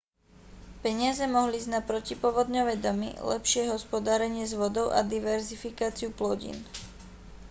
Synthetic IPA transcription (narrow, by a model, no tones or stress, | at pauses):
pɛɲɪazɛmɔɦliːznapɾɔcipʊɔʋɔd̪ɲɔʋɛd̪ɔmḭlɛ̰pʃɪɛɦɔspɔd̪aːɾɛɲɪɛzʋɔd̪ɔʊʔa̰d̪iʋɛɾzifikaːt͡siuplɔɟḭn